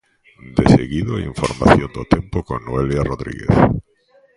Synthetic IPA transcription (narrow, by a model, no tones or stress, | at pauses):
d̪eseɣiðoḭɱfoɾma̰θjond̪ot̪empokonnːoeljaroðɾḭɣḛθ